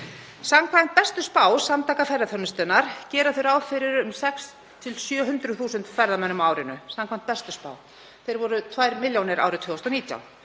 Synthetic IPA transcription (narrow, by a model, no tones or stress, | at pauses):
samkʰvajn̥t̪̚pɛst̪ʏspaːwsamt̪ʰaːkafɛɾðaθœnʏst̪ɛnaɾ̥cɛːɾaθeɾaːwfɪɾɪɾʏmsɛks | t̪ʰɪlsjœːɦʏnt̪ɾʏθuːsʏnt̪fɛɾðamɛnːʏmaːwɾɪnʏsamkʰvajnt̪pɛst̪ʏspa̰ːw | θejɾvɔɾʏt̪ʰvaːjɾmɪljownɪɾa̰wɾʏt̪ʰvʏːɔst̪ɔniːt̪ja̰w